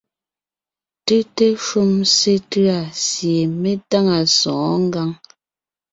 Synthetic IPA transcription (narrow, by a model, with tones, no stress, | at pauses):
tʉ˦te˦ʃu˦mse˦tɰa˨sje˨me˦ta˦ŋa˨sɔ̃˨ʔŋ˦ɡa˦ŋ